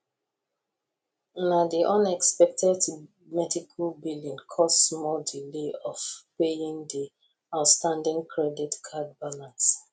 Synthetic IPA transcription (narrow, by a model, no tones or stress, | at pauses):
nadiʔɔ̃nɛkspɛk̚tʰɛd | mɛdikʰalbilĩnkʰɔstsmɔdileɔfpejĩndi | aʊtstãndĩŋkʰɹɛditkʰad̚balãns